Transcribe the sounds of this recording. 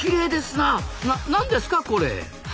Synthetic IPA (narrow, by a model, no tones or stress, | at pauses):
kʲiɾe̞ːd̪e̞sɨnananãnd̪e̞sɨ̥kako̞ɾe̞̰